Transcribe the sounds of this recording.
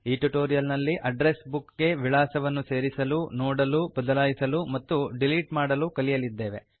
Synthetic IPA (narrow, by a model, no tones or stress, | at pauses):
iːʈuʈoːɾijɐlnɐlːiʔʔɐɖɾesbukɡe̞ʋiɭaːsɐʋɐnːuse̞ːɾisɐlunoːɽɐlubɐd̪ɐlaːjisɐlumɐt̪ːuɖiliːʈmaːɽɐlukɐlijɐlid̪ːe̞ːʋe